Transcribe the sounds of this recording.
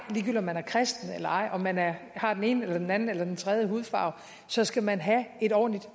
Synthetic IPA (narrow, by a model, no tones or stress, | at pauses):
liːɡ̥ylɒ̽mænæɐkʰʁɛsd̥n̩elɐɑ̈ɪ̰ʔɒ̽mːænæɐhɑ̈d̥ene̝̰ːnəelɐd̥enæn̩elɐd̥ent͡sʰʁɛð̞ˠjəɦuːð̞̩ˠfɑ̰̈ʊ | sɒ̽sɡ̥æmænɦæe̝ɾ̥ɒ̰ːn̩lid̥